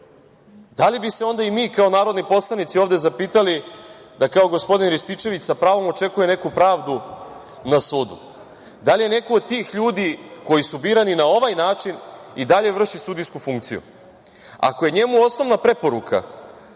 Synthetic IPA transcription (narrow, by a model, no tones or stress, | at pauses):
d̪alibise̞o̞nd̪aimiːkao̞naːɾo̞d̪nipo̞slˠanit̪sio̞ːvd̪e̞zapiːt̪alid̪akao̞ɡo̞spo̞d̪inɾist̪it͡ʃe̞ʋit͡ɕsapɾaːʋo̞mo̞t͡ʃe̞kuje̞ne̞kupɾaːʋd̪u | nasuːd̪ṵ | d̪alije̞ne̞kood̪̚t̪iːxʎuːd̪iko̞jisubiːɾaninao̞ʋajnaːt͡ʂinid̪aʎe̞ʋr̩ʃisud̪iskufuŋkt̪sijṵ | a̰ko̞je̞ɲe̞muo̞sno̞ʋnapɾe̞po̞ɾukʰa̰